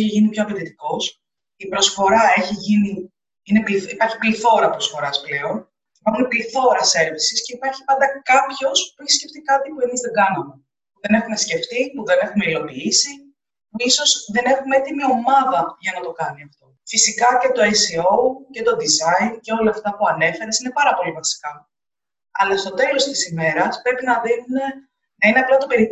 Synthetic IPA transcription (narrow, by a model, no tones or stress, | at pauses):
çiʝinipço̞ɐpet̪it̪iko̞s | ipɾo̞sfo̞ɾɐe̞çiʝini | inepliipɐɾçi̥pliθo̞ɾɐpɾosfo̞ɾɐsple̞o̞n | ipɐɾxumepliθo̞ɾɐse̞ɾvisisce̞ipɐɾçi̥pɐnd̪ɐkɐpço̞spueçi̥scept̪ikɐt̪ipue̞mizðe̞ŋɡɐnɐme | puðe̞ne̞xume̞sce̞ft̪ipuðe̞ne̞xume̞ilo̞piisi | puiso̞zðe̞ne̞xumeet̪imio̞mɐðɐʝɐnɐt̪o̞kɐniɐft̪o̞fisikɐce̞t̪o̞esioce̞t̪o̞d̪izɐince̞o̞lɐːft̪ɐpuɐne̞fe̞ɾesine̞pɐɾɐpo̞livɐsi̥kɐ | ɐlɐst̪o̞t̪e̞lo̞st̪i̥sime̞ɾɐspɾe̞pinɐðinune̞ | nɐineɐplɐt̪ope̞ɾi